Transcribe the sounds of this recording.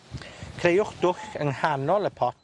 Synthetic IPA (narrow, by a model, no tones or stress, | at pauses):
kʰrejʊχd̥ʊɬəŋhanɔlˠəpʰɔt